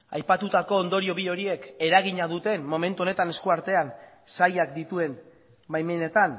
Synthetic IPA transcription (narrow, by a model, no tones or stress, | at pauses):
a̰jpat̪ut̪ako̞ːnd̪o̞ɾio̞βio̞ɾie̞ke̞ɾaɣ̞iɲað̞ut̪e̞mmo̞me̞nt̪uo̞ne̞t̪ane̞skuaɾt̪e̞an | sajak̚d̪it̪ue̞n | bajmene̞t̪an